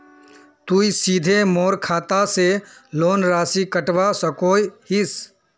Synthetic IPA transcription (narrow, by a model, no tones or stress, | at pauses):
t̪uːisiːd̪ʱemoːɾkʰaːt̪aseloːnɾaːsikəʈʋasəkoːihis